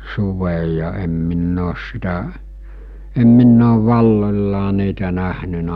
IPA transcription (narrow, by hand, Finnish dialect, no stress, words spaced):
suʋej jɑ em minː oːs sitæ em minː oːʋ ʋɑlːolʲlɑː niːtæ næhnynæ